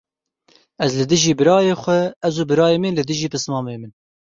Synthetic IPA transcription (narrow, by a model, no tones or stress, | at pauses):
ɛzlɨd̪ɨʒiːbɨɾɑːjeːxʷɛɛzuːbɨɾɑːjeːminlɨd̪ɨʒiːpɨsmɑːmeːmɨn